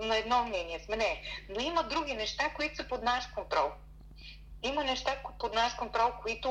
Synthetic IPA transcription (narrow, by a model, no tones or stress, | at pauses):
nɐɛd̪nɔmnɛniɛsmɛnɛnoimɐd̪ɾuɡ̟ʲinɛʃt̪akoit̪ʊ̥səpod̪naʃkont̪ɾɔlˠ | imɐnɛʃt̪apod̪naʃkont̪ɾɔlˠkoit̪ʊ